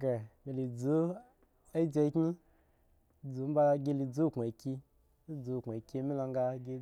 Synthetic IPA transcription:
ɡe˨mi˧li˨d͡zu˨˦ | e˦d͡ʒe˧˦kʲɲi˦ | d͡zu˨˦m̩˦ba˧ɡʲi˧li˧d͡zu˦˨kʷa˨kʲi˧ | i˦d͡zu˧˨kʷa˨kʲi˧mi˦la˧ŋ˦ɡa˧ɡʲi˧

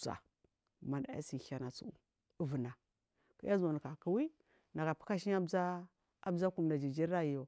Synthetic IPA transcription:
sa̰˨ | ma˨nda˨˦a̰˦si˨˦a˨˦na˨t͡sṵ˦u˨˦ | və˨na˨ | ka̰˦a˦zo˨n˨ka˨ku˨wi˦ | na˨ɡa˨pu̥˦ka˦ʃi˦ɲ˦a˦bza˦ | a˦bza˦ku˨m˨da˨d͡ʒi˨d͡ʒi˦ɾa˦i˨jo˨

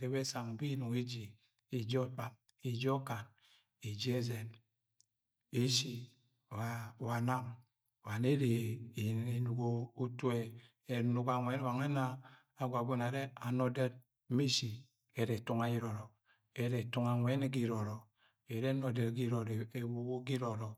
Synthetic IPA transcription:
ɾe˨be˦sa˨ŋ˨bi˦nu˨ŋi˦d͡ʒi˨ | i˨d͡ʒo˦k͡pa˨m | i˨d͡ʒo˦ka˨n | i˨d͡ʒi˦e˦ze˨n | e˦si˨ | a˨wa˨na˦ŋ˨ | wa˨ne˦ɾe˨ | e˨nu˨ɡo˦u˦tu˦e˨ | e˨nu˨ka˨ŋʷe˦n˦wa˨ŋe˦naː˦ | ɡʷa˨bo˦na˨ɾe˦a˨no˨de˦d̚ | mi˦si˨ | e˨ɾe˨tu˦ŋa˨˦ji˦ɾɔ˨ɾɔ˨ | e˦ɾe˨tu˦ŋa˨ŋʷe˦ne˦ɡi˦ɾo˨ɾɔ˨ | e˨ɾe˦no˨de˨ɾɡi˦ɾo˨ɾe˨wo˨wo˦ɡi˦ɾo˨ɾɔ˨

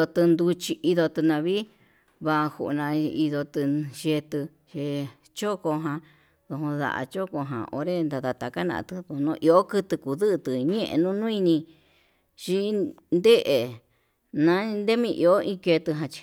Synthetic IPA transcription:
o˧t̪ɨ˧nd̪u˧t͡ʃi˧i˧ðo˧t̪ɨ˧nã˧βiː˦ | βa˧hṵ˧ʔnã˧i˧ðo˧t̪ɨ˧ʃe˧t̪ɨ˧ | ʃe˧ | t͡ʃo˦ko˧ɦã˧ | ðo˧hõ˧ða̰˧˨ʔa̰˧t͡ʃo˦ko˧ɦã̰˨ʔo̰˧˦ɾe˦nd̪a˧ða˧t̪a˧ka˦nã̰˧ʔt̪ɨ˧ðo˧nõ˧˦ʔi˧o˦kɨ˧t̪ɨ˧ku˨ðɨ˦ʔt̪ɨ˨ɲẽ˦ʔḛ˧nũ˦nũ˦i˧nĩ˧ | ʃi˦nd̪e˦ʔe˨ | nã˨˦nd̪e˦mĩ˧ʔḭ˧o˦ʔĩ˧ke˧t̪ɨ˧ɦã˧t͡ʃi̥˧

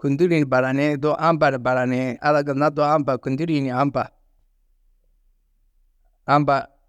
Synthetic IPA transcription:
ku˨ndi˦ɾi˨ni˨ba˨ɾa˨ne˦do˦ʔa˦mba˨ni˨ba˨ɾa˨ne˨a̰˦la˨ɡa˨na˦do˦a˦mba˨ku˨ndi˦ɾi˦˨ni˨a˦mba̰˨ | a˦mba˨

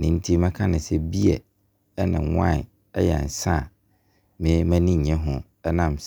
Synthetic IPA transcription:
nɪ̃˨n̩˦tʰi˦mɛ̃˦kʰã˦nɪ̃˨sɛ˦bi˦ɛ̰˨˦ | nɪ̰̃˨wã̰˦˨ | ɛ˦jɛ̰˨n̩˨sã˦˨ | mɪ̃˨˦mæ̃˦nĩ˦ɲ̩˨ɲɛ̃˦ɦʊ̃˨ | ɛ˦nã˨ms

